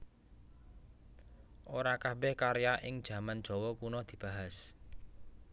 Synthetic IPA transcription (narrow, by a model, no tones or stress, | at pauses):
ʔoɾakabɛhkaɾejaʔɪŋd̥ʒ̥ä̤mand̥ʒ̥ɔ̤wɔkunɔd̪̥i̤b̥a̤ɦas